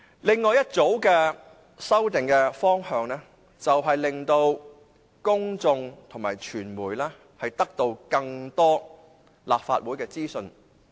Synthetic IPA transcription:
lɪ˨ŋːɔː˨˧jɐ˥t̚t͡so˨˥wkɛː˧ | sɐ˥wt̪ɪ˨ŋkɛː˧fɔː˥ŋhœː˧ŋnɛː˥ | t͡sɐ˨wɦɐ˨jlɪ˨ŋt̪o˧w | kʊ˥ŋt͡sʊ˧ŋt̪ʰʊ˨˩ŋmaː˨˩jt͡ʃʰyː˨˩nmuː˨˩jlɛː˥ | hɐ˨jt̪ɐ˥k̚t̪o˧wkɐ˧ŋt̪ɔː˥ | laː˨p̚fa̰ː˧t̚wuː˨˥jkɛː˧t͡siː˥sɵ˧n

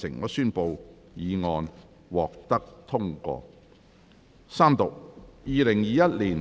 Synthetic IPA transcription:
sɪ˨˩ŋkɔː˨˧syː˥npo˧w | jiː˨˧ŋɔː˨˧n | wɔː˨k̚t̪ɐ˥k̚t̪ʰʊ˥ŋkɔ̰ː˧ | saː˥mt̪ʊ˨k̚jiː˧lɪ˨˩ŋjiː˨˧jɐ˥t̚liː˨˩n

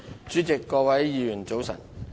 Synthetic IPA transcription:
t͡ʃyː˨˥t͡sɪ˨kːɔː˧wɐ˨˥jːiː˨˧jyː˨˩nt͡so˨˥wsɐ̰˨˩n

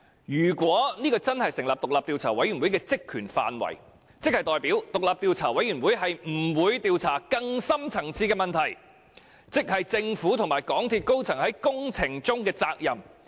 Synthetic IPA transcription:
jyː˨˩kʷwɔː˨˥niː˥kɔː˧t͡sɐ˥nhɐ˨jsɪ˨˩ŋlaː˨p̚t̪ʊ˨k̚laː˨p̚t̪iː˨˧wt͡sʰaː˨˩wɐ˨˥jɥy˨˩nwu˨˥jkɛː˧t͡sɪ˥kʰːyː˨˩nfa̰ː˨nwɐ̰˨˩j | t͡sɪ˥k̚hɐ˨jt̪ɔː˨˧jpiː˨˥wt̪ʊ˨k̚laː˨p̚t̪iː˧wt͡sʰaː˨˩wɐ˨˥jɥyː˨˩nwuː˨˥jɦɐ˨jm̩˨˩wuː˨˧jt̪iː˨˧wt͡sʰaː˨˩kɐ˧ŋsɐ˥mt͡sʰɐ˨˩ŋt͡sʰiː˧˥kɛː˧mɐ˨nt̪ʰɐ˨˩j | t͡sɪ˥k̚hɐ˨jt͡sɪ˧ŋfuː˨˥t̪ʰʊ˨ŋmaː˨˩jkɔː˨˥ŋt̪ʰiː˧t̚ko˥wt͡sʰɐ˨˩ŋhɐ˨˦jkʊ˥ŋt͡sʰɪ˨˩ŋt͡sʊ˥ŋkɛː˧t͡saː˧k̚jɐ˨˩m

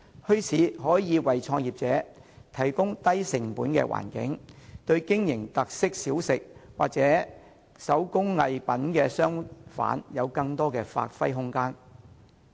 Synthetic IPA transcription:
hɵ˥ɥt͡sʰiː˨˥ɦɔː˨˥jiː˨˧wɐ˨jt͡sʰɔː˧ŋjiː˨p̚t͡sɛː˨˥t̪ʰɐ˨˩jkʊ˥ŋt̪ɐ˥jsɪ˨˩ŋpuː˨˥nkɛ̰ː˧wʔa̰ː˨˩nkɪ̰˨˥ŋt̪ɵ˧ɥkɪ˥ŋjɪ˨˩ŋt̪ɐ˨k̚sɪ˥k̚siː˨˥wsɪ˨k̚waː˨k̚t͡sɛː˨˥ | sɐ˨˥wkʊ˥ŋːɐ˧jpɐ˨˥nkɛː˧sœː˥ŋfa̰ː˨˥njɐ˨˧wkɐ˧ŋt̪ɔː˥kɛː˧fa̰ː˧t̚fɐ˥jɦʊ˥ŋkaː˥n

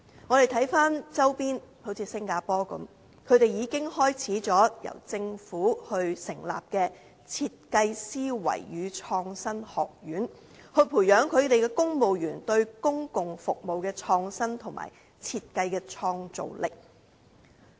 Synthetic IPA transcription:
ŋɔː˨˧e˨jt̪ʰɐ˨˥jfaː˥nt͡sɐ˥wpiː˥nho˨˥wt͡sʰiː˨˧sɪ˥ŋkaː˧pɔː˥kɐ̰˨˥m | kʰɵ˨˧ɥt̪e˨jjiː˨˧kɪ˥ŋhɔː˥jt͡sʰiː˨˥t͡sɔː˨˥jɐ̰˨˩wt͡sɪ˧ŋfuː˨˥hɵ˧ɥsɪ˨˩ŋla̰ː˨p̚kɛː˧ | t͡sʰiː˧t̚kɐ˧jsiː˥wɐ̰˨˩jɥyː˨˧t͡ʃʰɔː˧ŋsɐ˥nhɔː˨˩k̚jyː˨˥n | hɵ˧ɥpʰuː˨˩jjœː˨˥ŋkʰɵ˨˧ɥt̪e˨jkɛː˧kʊ˥ŋmo˨wjyː˨˩nt̪ɵ˧ɥkʊ˥ŋkʊ˨˩ŋfʊ˨k̚mo˨wkɛː˧t͡ʃʰɔː˧ŋsɐ˥nt̪ʰʊ˨˩ŋmʔa̰ː˨˩j | t͡sʰiː˧t̚kɐ˧jkɛː˧t͡ʃʰɔː˧ŋt͡so̰˨wlɪ̰˨k̚

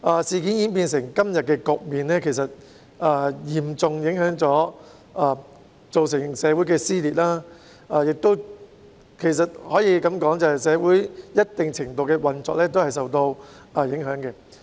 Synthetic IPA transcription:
ʔaː˧siː˨kiː˨˥njiː˨˥npiː˧nsɪ˨˩ŋkɐ˥mjɐ˨t̚kɛː˧kʊ˨k̚miː˨nlɛː˥kʰe˨˩js̬ɐ˨t̚ | ʔaː˧jiː˨˩mt͡sʊ˨˧ŋjɪ˨˧˥ŋhœː˨˥ŋt͡sɔː˨˥ | aː˧ | t͡so˨wsɪ˨˩ŋsɛː˨˧˥wuː˨˥jkɛː˧siː˥liː˨˩t̚laː˥ | aː˧jɪ˨k̚t̪o˥w | kʰe˨˩js̬ɐ˨t̚hɔː˨˥jiː˨˧kɐ˨˥mkɔː˨˥ŋt͡sɐ˨hɐ˨˩jsɛː˨˧wuː˨˥jjɐ˥t̚t̪ɪ˨ŋt͡sʰɪ˨˩ŋt̪o˨wkɛː˧wɐ˨nt͡sɔ̰ː˧k̚lɛː˥t̪o˥whɐ˨js̬ɐ˨wt̪o˧w | a˨˧jɪ˨˥ŋɦœː˨˥ŋkɛː˧

